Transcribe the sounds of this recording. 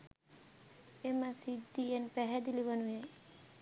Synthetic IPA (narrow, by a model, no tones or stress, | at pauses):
emasid̪ienpɛɦɛd̪ilibanuje